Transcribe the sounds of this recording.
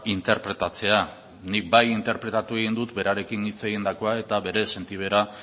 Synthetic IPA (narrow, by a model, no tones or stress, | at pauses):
int̪e̞ɾpɾe̞t̪at͡se̞a | nik̚bajint̪e̞ɾpɾe̞t̪at̪ue̞ɣind̪ut̪be̞ɾaɾe̞kinit͡se̞ɣind̪ako̞ae̞t̪aβe̞ɾe̞se̞nt̪iβ̞e̞ɾa